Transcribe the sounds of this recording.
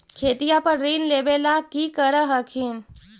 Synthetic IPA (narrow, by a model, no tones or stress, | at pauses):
kʰeːt̪ijapɐɾːiːnleːbelakikəɾəɦɐkʰiːn